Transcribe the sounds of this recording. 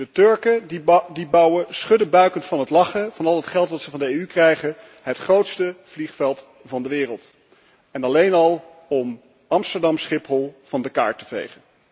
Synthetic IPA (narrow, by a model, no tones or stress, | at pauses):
dətøɹkədibɑwəsχɵdəbœɥkəntfɑnɦətlɑχəv̥ɑnɑlˠətχɛlˠtʋɑtsəvɑndəejykrɛjχən | ɦətχrowtstəv̥liχfɛlˠt | vɑndəʋɪːrəlˠt | ɛnɑlejnɑlˠ | ɔm | ɑmstəɹdɑmsχɪpɦɔlˠv̥ɑndəka̰ːɹtəvḛjχən